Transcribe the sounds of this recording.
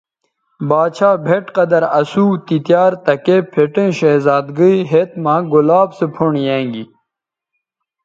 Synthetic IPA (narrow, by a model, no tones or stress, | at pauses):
baːt͡ɕʰaːbʱeʈqɐd̪ɐɾɐsuːt̪it̪jaːɾt̪ɐkepʰeʈẽːɕeːzaːd̪ɡəiɦet̪mãːɡulaːbsepʰoɳjãːŋɡi